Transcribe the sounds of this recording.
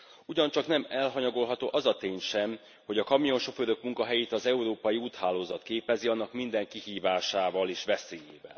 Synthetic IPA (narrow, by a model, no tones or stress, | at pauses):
uɟɒɲt͡ʃɒknɛmɛlɦɒɲɒɡo̞lɦɒt̪oːʔɒzɒt̪eːɲʃɛm | ho̞ɟɒkɒmio̞nʃo̞føɾøkmuŋkɒɦɛjeːt̪ɒzɛuɾoːpɒjiuːt̪haːloːzɒt̪keːpɛziɒnːɒkmind̪ɛŋkihiːvaːʃaːvɒleːʃʋɛseːjḛːvɛ̰l